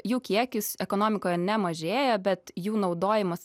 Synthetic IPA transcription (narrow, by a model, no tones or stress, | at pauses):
juːkʲiɛkʲʊsɛkoːnoːmʲɪkoːjɛnʲɛmɐʒʲeːjɛbʲɛt̪juːnɒʊd̪oːjɪmɐs